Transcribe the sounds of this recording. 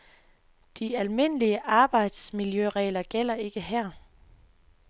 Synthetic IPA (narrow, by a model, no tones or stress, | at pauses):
d̥iælme̝n̰əliəʔɑ̈ːb̥ɑ̈ɪ̰d̥smiljøʁɛ̰ːlɐɡ̥el̰ɐe̝ɡ̥əɦæɐ̰